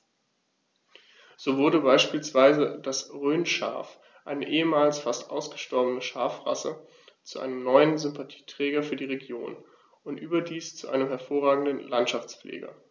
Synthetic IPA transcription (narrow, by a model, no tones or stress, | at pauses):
z̥oːvʊɐdəbaɪʃpiːlsv̥aɪzəd̥asʁøːnʃa̰ːf | ʔa̰ɪnəʔeːəmaːlsfastʔaʊsɡ̥əʃtɔɐbənəʃaːfʁa̰sə | t͡suʔa̰ɪnəmnɔʏənzʏmpʰatʰi̥ːtʁ̥ɛːɡɐfyːɐdiːʁeɡjo̰ːn | ʔʊntʔyːbɐdiːst͡suʔaɪnəmhɛɐfoːʁ̞aːɡŋ̩dənlantʃaft͡splʔḛːɡɐ̰